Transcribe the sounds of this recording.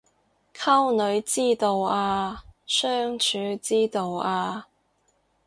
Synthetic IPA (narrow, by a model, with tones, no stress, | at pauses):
kʰɐ˥wnɵ˨˧ɥt͡siː˥t̪o˨˧waː˧sœː˥ŋt͡ʃʰyː˨˧˥t͡siː˥t̪o˨waː˧